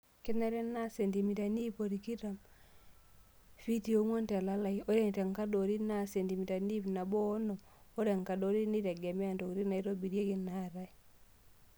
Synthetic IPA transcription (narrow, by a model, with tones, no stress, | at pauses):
kɪ˦nɛ˦ɾɛ˦na˦se˨ndi˨mi˨ta˨ni˦po˨ɾi˨ki˦ɾa˨m | fi˦ti˦o˦ŋo˦ntɛ˨la˦la˨io˦ɾe˦n˨te˨ŋka˦do˨ɾi˦na˦˨se˨ndi˨mi˨ta˨ni˦pna˨bo˦no˨ | o˦ɾe˨ŋka˨do˨˦ɾi˦ni˦ɾɛ˨ɡɛ˨mɛ˦a˨ndo˨kɾi˦na˨i˦ɾo˦bi˨ɾje˦kɪ˦na˦˨ɾa˦i˦